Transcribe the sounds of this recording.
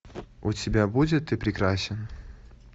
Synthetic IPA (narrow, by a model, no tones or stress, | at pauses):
otʲːɪbʲabudʲɪt̪ːɨpɾʲɪkɾasʲɪn